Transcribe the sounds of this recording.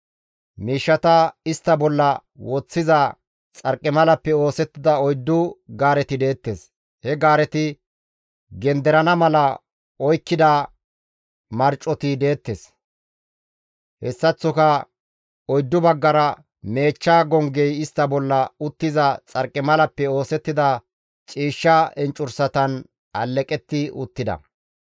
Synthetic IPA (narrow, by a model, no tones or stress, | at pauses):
miːʃːɐt̪ɐɪst̪ːɐbɔlːɐwɔt͡sːɪzɐ | t͡sʼɐɾkʼːɪmɐlɐpːɛo̞ːsɛt̪ːɪd̪ɐɔjd̪ːʊɡaːɾɛt̪ɪd̪e̞ːt̪ːes | hɛɡaːɾɛt̪ɪ | ɡɛnd̪ɛɾɐnɐmɐlɐ | ɔjkːɪd̪a | mɐɾt͡ʃʼːɔt̪ɪd̪e̞ːt̪ːes | hɛsːɐt͡sːɔkɐ | ɔjd̪ːʊbɐɡːɐɾɐ | me̞ːt͡ʃːaːɡɔŋɡɛjɪst̪ːɐbɔlːɐʊt̪ːɪzɐt͡sʼɐɾkʼːɪmɐlɐpːɛo̞ːsɛt̪ːɪd̪ɐ | t͡ʃʼiːʃːɐʔɛnt͡ʃʼʊɾsɐt̪ɐn | ɐlːɛkʼɛt̪ːɪʊ̰t̪ːɪd̪ɐ̰